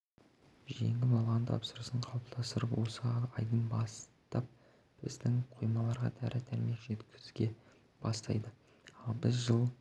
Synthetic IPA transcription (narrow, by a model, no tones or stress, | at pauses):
ʒe̞̰ŋɡʲɪbɑlˠʁɑnt̪ʰɑ̰psəɾəsəɴqʰɑwp̚t̪ɑst̪əɾəpwo̞səɑjd̪ənbɑst̪ɑp̚ | bɪ̰zd̪ɪŋqʰojmɑlˠɑɾʁɑ̰d̪ʰæ̰ɾʔɪd̪ʰæɾme̞kʒ̥e̞t̪kʲʰɪ̥zɡʲe̞ | b̥ɑst̪ɑ̰jd̪ə | ɑlˠbɪzʒəlˠ